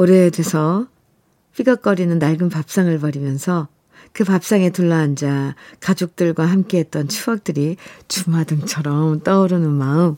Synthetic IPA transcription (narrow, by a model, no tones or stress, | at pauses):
oɾedesʰʌ | p͈iɡak͈ʌɾinɯnːaɭɡɯnpap̚s͈aŋɯɭpʌɾimjʌnsʰʌ | kɯpap̚s͈aŋe̞tuɭːʌɦand͡ʑakad͡ʑok̚t͈ɯɭɡwahamk͈eɦe̞t̚t͈ʌnt͡ɕʰuak̚t͈ɯɾit͡ɕumɦadɯŋt͡ɕʰʌɾʌmt͈ʌɯɾɯnɯnmaɯm